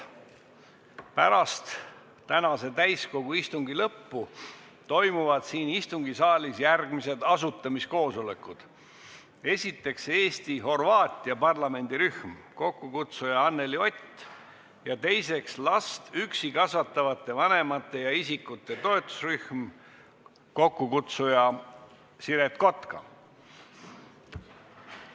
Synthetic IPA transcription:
pæɾɑst̪ | t̪ænɑse̞t̪æjsko̞ɡ̥uist̪uŋɡilɤpːu | t̪o̞jmuvɑd̪̥siːnist̪uŋɡ̥isɑːlʲisjærɡ̥mise̞d̪̥ɑsut̪ːˑɑmisko̞ːso̞le̞kːˑud̪̥ | e̞sʲit̪ːˑe̞kse̞ːst̪iho̞rvɑːt̪ʲːˑiɑpɑrlɑme̞nʲd̪̥iɾyhm | ko̞kːukut̪sujɑɑnːe̞lio̞t̪ʲː | jɑt̪e̞jse̞kslɑst̪yksikɑsvɑt̪ːˑɑvɑt̪ˑːe̞vɑne̞mɑt̪ˑːe̞jɑisikːut̪ːˑe̞t̪o̞e̞t̪ːˑu̥sryhm | ko̞kːukut̪sujɑ | siɾe̞t̪ko̞t̪kɑ̰

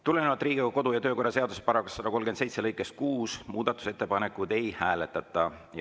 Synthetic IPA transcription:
t̪ulenevɑt̪ːˑriːɡ̥iɡɑko̞d̪ujɑt̪øːko̞rːɑse̞ɑd̪usepɑɾɑkːɑsːɑd̪ɑko̞lɡensejt̪selɤjkːˑe̞st̪̚kuːsmuːd̪ɑt̪ːˑu̥se̞t̪ːˑepɑne̞kˑud̪e̞jhæːle̞t̪ːˑɑt̪ːˑɑj

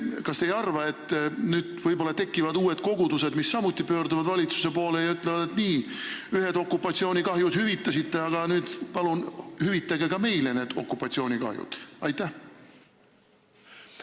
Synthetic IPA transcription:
kɑst̪ejɑrvɑe̞t̪ːnyːd̪̥vɤjbo̞lːɑt̪e̞kːˑivɑd̪uːe̞d̪ko̞ɡ̥ud̪use̞d̪misːɑmut̪ːˑipøːɾd̪uvɑd̪vɑlʲit̪su̥se̞po̞ːle̞jɑyt̪ˑlevɑd̪̥e̞t̪niːyhe̞d̪o̞kːupːɑt̪sio̞ːnʲikɑɦjud̪̥hyvit̪ːˑɑsit̪ːe̞ɑɡ̥ɑnyːd̪̥pɑlunhyvit̪ːˑɑɡeɡɑme̞jle̞neːd̪̥o̞̰kːˑupːˑɑt̪sio̞ːnʲikɑ̰hjṵd̪̥ɑjt̪ːˑæh

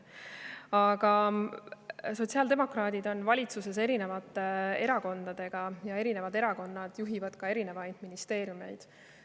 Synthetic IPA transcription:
ɑɡ̥ɑ | so̞t̪ʲsiɑːld̪̥e̞mo̞krɑːd̪̥id̪o̞nvɑlʲit̪suse̞se̞ɾine̞vɑt̪ːˑee̞ɾɑko̞nd̪̥ɑd̪̥e̞ɡ̥ɑjɑe̞ɾine̞vɑd̪e̞ɾɑko̞nːɑd̪̥juɦivɑd̪̥kɑe̞ɾine̞vɑjd̪̥minist̪e̞ːɾjume̞̰jd̪̥

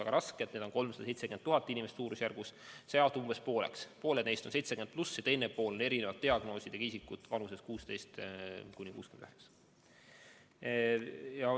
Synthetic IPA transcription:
ɑɡ̥ɑɾɑsked̪ned̪onko̞lmsɑ̥d̥̪ɑse̞jt̪seyment̪ːuɦɑt̪ːˑinʲimest̪suːɾusjærɡ̥usseɑt̪uumbe̞spo̞ːle̞̰kspo̞ːlene̞jst̪o̞nse̞jt̪se̥ymnplusːet̪enːepːo̞ːlo̞ne̞ɾine̞vɑt̪t̪ːiɑɡ̥no̞ːsid̪̥eɡ̥ɑis̬ikːˑut̪vɑnuseskuːst̪e̞jst̪kunʲikṵːskymnd̪yheks | jɑ

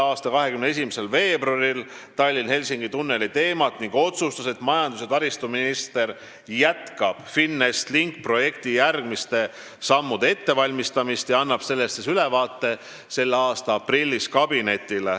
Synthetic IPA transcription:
ɑːst̪ɑkɑɦe̞kymnee̞s̬imese̞lve̞ːbrɑɾil | t̪ɑlʲːinhe̞lʲsiŋɡ̥it̪unːe̞lit̪e̞ːmɑt̪ˑniŋɡ̥o̞t̪sust̪ɑse̞t̪mɑjɑnd̪uset̪ɑɾist̪uminist̪e̞r | jæt̪kɑb̥finːest̪liŋk̚pro̞je̞kt̪ijærɡmist̪e̞ | sɑmːud̪̥e̞e̞t̪ːe̞vɑlʲmist̪ɑmist̪jɑɑnːɑb̥se̞lːe̞st̪ːesylevɑːt̪ːe̞ | se̞lːeɑːst̪ɑɑprilʲːiskɑb̥ine̞t̪ːˑile

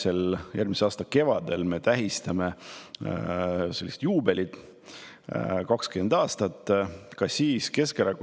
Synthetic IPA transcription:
se̞ljʔærmiseɑːst̪ɑke̞vɑd̪̥e̞lme̞t̪æɦist̪ɑme̞ | se̞lːise̥t̪juːbe̞lʲid̪̥ | kɑkskyend̪̥ɑːst̪ɑt̪ˑːkɑsiːske̞skæɾɑku

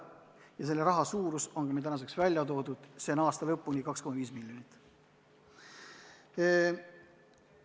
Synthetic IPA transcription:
jɑse̞lːeɾɑɦɑsuːɾuso̞nɡɑmet̪ænɑs̬e̞ksvælʲjɑt̪o̞ːd̪ud̪̥se̞nɑːst̪ɑlɤpːˑunʲikɑkskomɑviːsmilʲjonit̪ːˑ

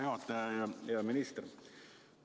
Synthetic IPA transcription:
ɑːt̪əmɪnɪst̪əɾ

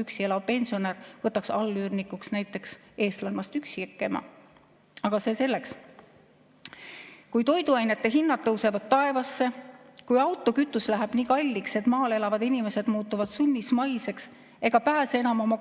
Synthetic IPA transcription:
yksielɑvpe̞nʲsio̞nervɤt̪ːˑɑksɑlːyːrnikːˑuksnæjt̪ːˑe̞ks | e̞ːst̪lɑnmɑst̪yksikːˑemɑ̰ | ɑɡ̥ɑse̞ːse̞lːe̞ks | kujt̪o̞jd̪uɑjne̞t̪ːe̞ɦinːɑt̪ːɤwse̞vɑd̪̥̚t̪ːɑe̞vɑsːe̞kujɑwt̪ːˑo̞kyt̪ːˑuslæɦæɛb̥niːkɑlʲːikse̞t̪ˑmɑːle̞lɑvɑd̪inime̞se̞d̪muːt̪ːˑuvɑd̪̥sunʲːismɑjse̞ks | e̞ɡ̥ɑpæːsenɑmo̞mɑ

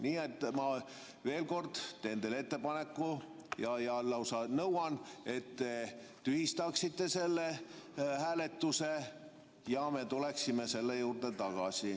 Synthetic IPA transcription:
niːe̞t̪ːˑmɑ | ve̞ːlko̞rd̪̥t̪eːnd̪ele̞t̪ːe̞pɑne̞kːujɑjɑlɑwsɑnɤwɑne̞t̪ːe̞t̪ːyhist̪ɑksit̪ːe̞se̞lːehæːle̞t̪ːuse | jɑme̞t̪ule̞ksimese̞lːejuːrt̪e̞t̪ɑɡ̥ɑ̰si

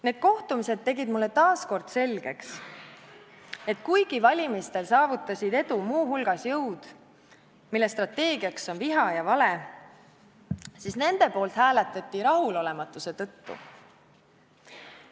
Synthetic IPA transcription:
ne̞ːd̪̥̚ko̞ht̪umise̞d̪̚ːe̞ɡid̪̥mulːe̞t̪ɑːsko̞rd̪̥se̞lʲɡ̥e̞ks | e̞t̪ˑkujɡ̥ivɑlʲimist̪e̞lsɑːvut̪ːˑɑsʲid̪̥e̞d̪̥umuːɦulɡ̥ɑsjɤwd̪̥ | milːest̪rɑt̪ːe̞ːɡiɑkso̞nviɦɑjɑvɑle̞ | sisne̞nd̪̥e̞po̞ːlt̪hæːlet̪ːˑɑt̪ʲːˑiɾɑɦulo̞le̞mɑt̪ːˑuse̞t̪ɤ̞t̪ːṵ

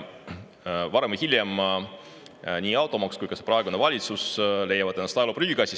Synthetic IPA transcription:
vɑɾemihilʲjem | niːɑwt̪ːˑo̞mɑkskujkɑse̞prɑeɡune̞vɑlʲit̪susle̞jɑvɑd̪enɑst̪ɑlopryɡiɡɑsʲi

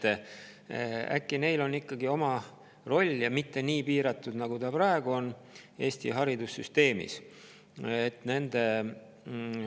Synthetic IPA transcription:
æ̰kːine̞jlo̞nːikːɑɡio̞mɑ | ro̞lʲːjɑmit̪ːe̞niːpiːɾɑt̪ːˑud̪nɑɡ̥ut̪ɑpɾɑe̞ɡuo̞ne̞ːst̪ḭɦɑɾid̪usːyst̪e̞ːmḭs | et̪ːne̞nd̪̥e̞

